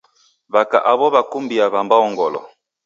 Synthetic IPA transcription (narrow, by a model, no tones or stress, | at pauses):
βaka̰ʔaβɔβakumbiaβambaɔŋɡɔlɔ̰